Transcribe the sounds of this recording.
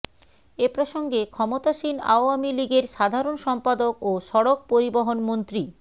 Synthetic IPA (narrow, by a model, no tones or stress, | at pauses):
epɾoʃoŋɡekʰɔmot̪aʃina̰oamiliɡeɾʃad̪ʱaɾonʃɔmpad̪okoʃɔɽok̚poɾiboɦonmont̪ɾi